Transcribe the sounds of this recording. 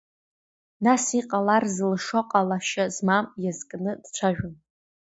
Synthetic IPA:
nasiqʼalarzlʂoqʼalaʃazmamjazkʼnɨd̥t͡ʃʷʰaʒᶣʊn

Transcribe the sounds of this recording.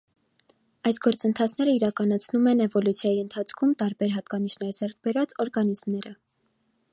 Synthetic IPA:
ɑjsɡɔɾt͡sənt̪ʰɑt͡sʰnɛɾəiɾɑkɑnɑt͡sʰnumɛnɛvɔlut͡sʰjɑjiənt̪ʰɑt͡sʰkʰumt̪ɑɾbɛɾɦɑt̪̚kɑniʃnɛɾd͡zɛrk̚ʰbɛɾɑt͡sɔɾɡɑnizmnɛɾə

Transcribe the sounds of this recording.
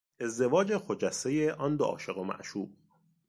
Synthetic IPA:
e̞zd̪e̞vɒːd͡ʒexod͡ʒæsejeʔɒːnd̪oʔɒ̰ːʃe̞ɣomæ̰ʔʃuːb

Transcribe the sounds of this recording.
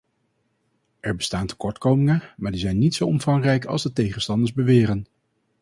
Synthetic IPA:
ʔɛɹbəstaːntə̥kɔɹtkowmɪŋənmaːɹdizɛjnːitsowɔmv̥ɑŋrɛjkɑ̰lˠzdətejχənstɑndəzbəʋɪːrən

